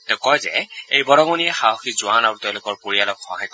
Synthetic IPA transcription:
tɛʊkɔjzɛ̰ejbɔɹɔɡoniɛxaɦoxizʊwanaɹuteʊ̃lʊkɔɹpoɹialɔkxɔ̰ɦajk

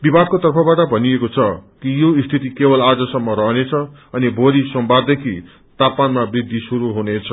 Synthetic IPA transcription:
bibʱad̪̚kot̪ʌrpʰʌbaʈʌbʱʌniekot͡sʰʌkijoist̪ʰit̪ikebʌlad͡zʌsʌmːʌɾʌɦnet͡sʰʌʌnibʱoɾisʌmbad̪ekʰi | t̪apmanmabrid̪ʱːisuɾuɦunet͡sʰʌ

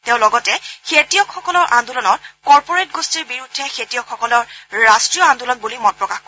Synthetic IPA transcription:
teʊ̃lɔɡɔtɛkʰetijɔkʰxɔkɔlɔɹʔandulɔnɔtkɔɹpɔɹetɡostiɹbiɹudʱːɛxʰetijɔkxɔkɔlɔɹɹastɹijɔandulɔnbulimɔnpɹɔkaxkɔ

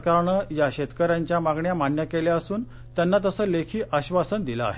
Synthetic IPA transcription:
kaɾaɳəjaɕet̪kəɾaɲt͡ɕjamaɡɳjamanjəkeljaəsuːn | t̪janːat̪əsəːlekʰiːʔaɕʋasənd̪ila̰ːɦe

